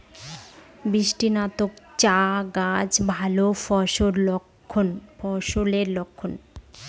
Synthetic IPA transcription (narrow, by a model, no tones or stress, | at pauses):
bɾiʃʈinat̪okt͡ɕaɡad͡ʑbʱalofɔʃoɾokʰːonfɔʃoleɾlokʰːon